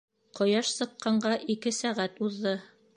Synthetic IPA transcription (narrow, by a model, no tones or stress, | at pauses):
qŏjɑʃsɤ̆qːɑɴɢɑʔikɘsæʁæt̪uðːɤ